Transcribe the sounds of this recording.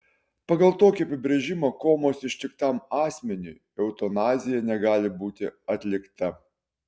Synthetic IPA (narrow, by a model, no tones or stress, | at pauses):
pɐɡɐlˠt̪oːkʲiɐpʲɪbʲɾʲeʒʲɪmɐkoːmoːsɪʃt̪ʲɪkt̪ɐmɑːsʲmʲɛnʲu | ɛʊt̪onɑːzʲɪjɛnʲɛɡɑːlʲɪbuːt̪ʲɪɐt̪ʲlʲɪkt̪ɐ